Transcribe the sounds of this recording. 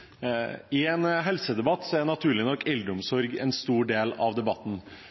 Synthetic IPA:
ɪɛnɦɛlsəd̪ɛbɑt̪ːsɔænɑt̪ʰʉːɭɪnɔkːɪld̪ɾʊmsɔɾɡɛ̰nst̪uːɖeːlɑ̰ʋd̪ɛbɑt̪ːn̩

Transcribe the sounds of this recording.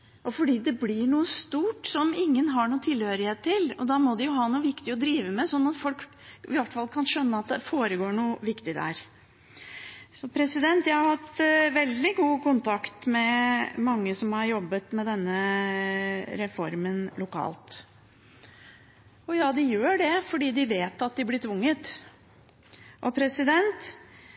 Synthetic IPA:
ʔɔfɔɖiːd̪ɛblɪɳuːəst̪uːʈsɔmɪŋːənɦɑɳuːət̪ʰɪlhøːɾɪheːt̪t̪ʰːɪlɔd̪ɑmɔd̪ɛjʊɦɑːnuːəʋɪkt̪ɪɔd̪ɾiːʋəmɛsɔnːɑt̪fɔlk | ʋɪɑt̪ːfɑlkʰɑnʂœnːəɑt̪̚d̪ɛfoːɾəɡoːɳuːəʋɪkt̪ɪd̪æ̰ɾ | sɔpʰɾɛsɪd̪ɛnt̪jæɪhɑɾhɑt̪ʋɛld̪ɪɡuːkʊnt̪ʰɑkt̪mɛmɑŋːəsɔmhɑɾjɔbːət̪mɛd̪ɛnːə | ɾɛfɔɾmənlʊkʰɑ̰ːlt̪ | ɔjɑːd̪ɪjøːɖɛfɔɖiːd̪ɪʋeːt̪ɑt̪̚d̪ɪblɪʈ̪ʰʋʊŋːət̪ | ʔɔpʰɾɛsɪd̪ɛnt̪

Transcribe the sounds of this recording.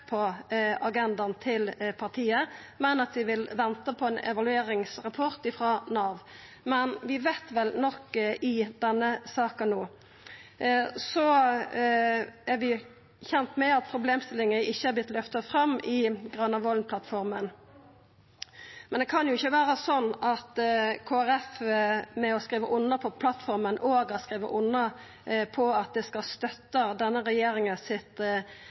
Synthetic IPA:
pʰɔɑɡɛnd̪ɑnt̪ʰɪlpʰɑʁt̪ʰiːə | mɛnɑt̪ʋɪʋɪlʋɛnt̪ɑpʰɔɛnɛ̰ʋɑlʉeːɾɪŋsɾɑpʰɔɾt̪ɪfɾɑːnɑːʋ | mɛnʋɪʋɛt̪ʋɛlnɔkːɪd̪ɛnːəsɑːkɑnnoː | sɔ | æɾʋɪ | çɛnt̪mɛɑt̪̚pʰɾʊbleːmst̪ɪlɪŋəəʔɪçːəɑɾb̪ɪt̪lœft̪ɑfɾɑmːɪɡʁɑnɑʋoːlnpʰlɑt̪fɔɾmən | mɛnd̪ɛkʰɑnjʊɪçːəʋæːɾəsɔnːɑt̪kʰoːæɾɛfmɛɔskɾiːʋəʔʊnːɑpʰɔpʰlɑt̪fɔɾmənʔoːɡɑskʁiːʋə̰ʔʊnːɑ | pʰɔɑt̪̚d̪ɛskɑst̪œt̪ːəd̪ɛnːəɾɛjeːɾɪŋəsɪt̪

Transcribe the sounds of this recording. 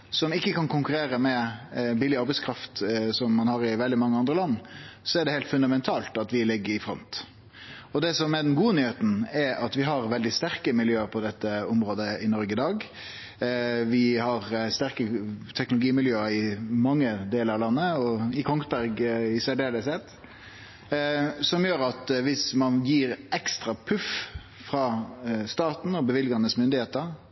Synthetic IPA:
sɔmɪkːəkɑnkʊŋkʉɾeːɾəmɛbɪlːɪɑɾbɛɪskʰɾɑft̪sɔmːɑnhɑɾɪʋɛld̪ɪmɑŋːəɑnd̪ɾəlɑnːsɔɛɾɖɛhɛlt̪fʉnd̪ɑmɛnt̪ʰɑːlt̪ɑt̪ʋɪlɪɡːəɾɪfɾɔ̰nt̪ | ɔd̪ɛsɔmɛd̪ɛnɡuːənyːhet̪n̩ɛɾɑt̪ʋɪɦɑɾʋɛld̪ɪst̪æɾkəmɪljøːəpʰɔd̪ɛt̪ːəʊmɾoːd̪əɪnɔɾɡəɪd̪ɑːɡ | ʋɪhɑʁst̪æɾkət̪ʰɛk̚nʊlʊɡiːmɪljøːəɾɪmɑŋːəd̪eːləɾɑʋlɑnːəɔɪkʰɔŋt̪̚bæɾɡɪsæɖeːləsɛt̪ː | sɔmjøːɾɑt̪ʋɪsmɑnjiːʁʔɛkst̪ɾɑpʰʉf | fɾɑːst̪ɑːt̪n̩ɔbəʋɪlɡɑnəsmʏnd̪ɪheːt̪əɾ

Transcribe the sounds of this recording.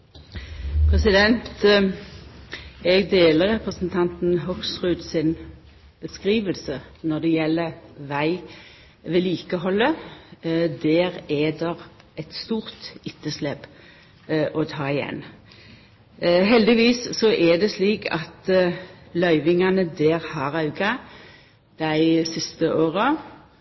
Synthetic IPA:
pʰʁɛsɪd̪ɛnt̪ | ɛɡd̪eːləʁɛpʁəsnt̪ʰɑnt̪n̩ɦɔksʁʉːd̪sɪn | b̥əskʁiːʋəlsənɔd̪ɛjɛlːəʋæɪ | ʋɛliːkəɦɔlːə | d̪ɛːʁɛd̪əʁ | ɛt̪st̪uːʁt̪ɪt̪ʰːəslɛb | ʔɔt̪ʰɑːɪjɛ̰n | ɦɛld̪ɪʋiːssɔʔɛd̪ɛsliːkʰɑ̰t̪ | lœʏʋɪŋɑnəd̪eːʁhɑːʁɑʉɡɑ | d̪̥æɪsɪst̪əʔoːʁɑ

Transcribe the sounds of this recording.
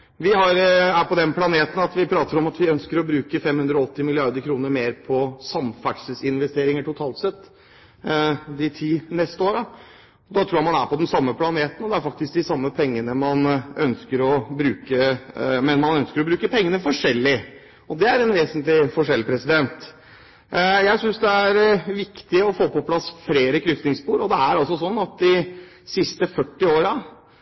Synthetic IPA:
ʋɪhɑɾæpɔd̪ɛnpʰlɑneːt̪ən̩ɑt̪ʋɪpʰɾɑːt̪əɾɔmɑt̪ʰʋɪœnskəɾɔbɾʉːkəfɛmːhʉnd̪ɾɔɔt̪ːɪmɪlɪɑɾd̪əɾkʰɾuːnəɾmeːɾpʰɔsɑmfæʈsəsɪnʋɛst̪eːɾɪŋəʈʰʊt̪ʰɑːlt̪sɛt̪ː | d̪ɪt̪ʰiːnɛst̪əoːɾə | ɔd̪ɑt̪ʰɾuːjmɑnæɾpɔd̪ɛnsɑmːəpʰlɑneːt̪ən̩ɔd̪ɛæɾfɑk̚t̪ɪsk̚d̪ɪsɑmːəpʰɛŋːənəmɑnœnskəɾɔbɾʉːkəmɛnmɑnœnskəɾɔbɾʉːkəpʰɛŋːənəfɔʂɛlːɪ | ɔd̪ɛæɾɛnʋeːsənt̪lɪfɔʂɛlːpʰɾɛsɪd̪ɛnt̪ | jæɪsʏnsd̪ɛæɾʋɪkt̪ɪɔfoːpɔpʰlɑsfɾeːɾəkʰɾʏft̪nɪŋspuːɾɔd̪ɛæɾɑlsɔsɔnːɑt̪̚d̪ɪ | sɪst̪əfœʈːɪoːɾə

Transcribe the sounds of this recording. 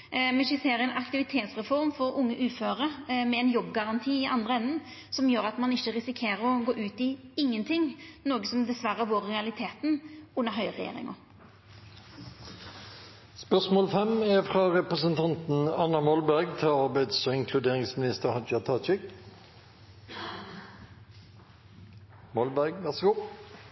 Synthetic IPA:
mɛɪçːəseːɾɛnʔɑkt̪ɪʋɪt̪ʰeːt̪sʁɛfɔɾmfɔɾʊŋːəʔʉːføːʁəmɛɛnjɔbɡɑʁɑnt̪ʰiːɪʔɑnd̪ʁəɛnːən | sɔmjøːɾɑt̪mɑnɪçːəʁɪsɪkʰeːɾəɾɔɡoːʔʉːt̪ɪɪŋːənt̪ʰɪŋnoːɡəsɔmd̪ɛsʋæɾəʋoːʁəʁɛɑlɪt̪ʰeːt̪nʊnːəɦœʏʁɛjḛːɾɪ̰ŋɔ̰ | spœʁsmoːlfɛmæʁfʁɑʁɛpʁəsənt̪ʰɑnt̪n̩ɑnːɑmɔlbæʁɡt̪ʰɪlɑʁbæɪd̪søɪŋkʰlʉd̪eːʁɪŋsmɪnɪst̪əʁhɑd͡ʒɑt̪ʰɑːt͡ʃɪk | mɔlbæʁɡʋæʁsəɡuː

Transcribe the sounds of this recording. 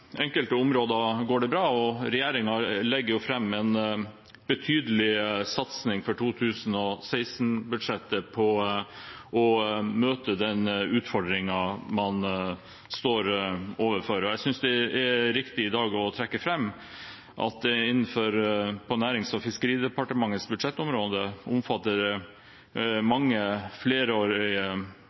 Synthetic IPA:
ɛŋkəlt̪əʊmɾoːd̪ɑɡoːɖɛbɾɑːɔɾɛjeːɾɪŋɑlɛɡːəɾjʊfɾɛmːɛn | b̥ət̪ʰyːd̪əlɪsɑt̪snɪŋfɔʈʰuːt̪ʰʉːsn̩ɔsæɪsnbʉd̪ʂɛt̪ːəpʰɔ | ʔɔmøːt̪əd̪ɛnʉːt̪fɔɖɾɪŋɑmɑn | st̪oːɾoːʋəɾfɔɾɔjæɪsʏnsd̪ɛʔɛɾɾɪkt̪ɪɪd̪ɑːɡɔt̪ʰɾɛkːəfɾɛmː | ʔɑ̰t̪̚d̪ɛɪnːənfɔɾpʰɔnæːɾɪŋsɔfɪskəɾiːd̪ɛpɑʈəmɑŋːət̪sbʉd̪ʂɛt̪ːʊmɾoːd̪əʊmfɑt̪ːəɾ | mɑŋːəfleːɾəoːɾɪ

